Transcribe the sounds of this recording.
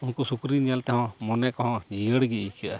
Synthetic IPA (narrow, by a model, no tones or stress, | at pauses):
unkɔsukɾinijalt̪ɛɦɔ̃mɔnɛkɔɦɔ̃d͡ʒijəɽɡiijkaʔa